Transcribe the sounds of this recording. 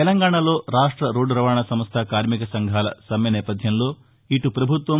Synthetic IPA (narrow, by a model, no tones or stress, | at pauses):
ɛlɐŋɡaːɳalo̞ːɾaːʂʈɾɐɾoːɖɾɐʋaːɳɐsɐmst̪ʰakaːɾmikɐsɐŋɡʱaːlɐ̰sɐmjɐnɛːpɐd̪ʱjɐmlo̞ː | iʈupɾɐbʱut̪ʋɐ